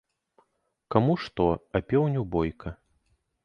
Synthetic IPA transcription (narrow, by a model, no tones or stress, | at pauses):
kamuʂt̪ɔɐpʲɛwnʲubɔjkʰɐ